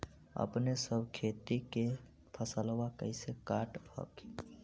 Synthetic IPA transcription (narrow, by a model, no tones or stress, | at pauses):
ə̰pnesəbʱkʰet̪ike | pʰəsəlʋakə̰ɪsekaʈhə̰ki̥